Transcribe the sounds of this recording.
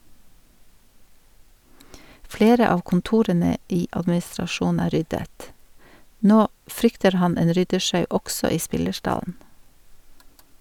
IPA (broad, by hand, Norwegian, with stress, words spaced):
ˈfleːɾə ˈɑːʋ kn̩ˈtuːɾənə ˈiː ʔɑdmɪsɾɑˈʃuːnn̩ ˈæː ˈɾʏdət ˈnoː ˈfɾʏktəɾ ˈhɑn ˈeːn ˈɾʏdəˌʃɑʉ ˈʔɔɡsɔ ˈiː ˈspɪləˌʃʈɑln̩